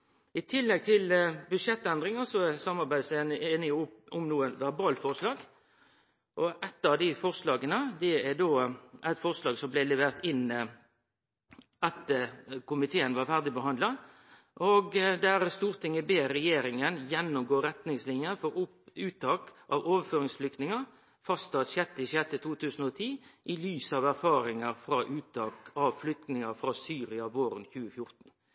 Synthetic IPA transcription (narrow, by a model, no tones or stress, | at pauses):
ɪt̪ʰɪlːɛɡ̚t̪ʰɪlbʉd̪ʂɛt̪ːɛnd̪ɾɪŋɑsɔɛsɑmːɑɾbæɪd̪sneːnɪʊɔmnuːənʋæʁbɑːlfɔʁʂlɑːɡ | ʔɔɛt̪ːɑʋd̪ɪfɔʁslɑːɡənəd̪ɛæd̪oːʔæɪt̪fɔʁslɑːɡsɔmblɪlɛʋeːʁt̪ɪnː | ʔɑt̪kʰʊmɪt̪ʰeːənʋɑɾfæʁd̪ɪbəɦɑnd̪lɑ | ʔoɡd̪æʁst̪uːʁt̪ʰɪŋːəbeːɾɛjeːɾɪŋənjɛnːʊmɡoːɾɛt̪nɪŋslɪnjəfɔɾ | ʉːt̪ɑːkʔɑʋoːʋəføːɾɪŋsflʏk̚t̪nɪŋə | fɑst̪ɑt̪ɕɛt̪ːɪɕɛt̪ːət̪uːt̪ʰʉːsən̩ɔt̪ʰiːʔɪlyːsəɑʋæʁfɑːɾɪŋəʁfɾɑʔʉːt̪ɑːkɑʋflʏk̚t̪nɪŋəfɾɑːsyːʁɪɑʋoːɾənçʉːəfjʊʁt̪n̩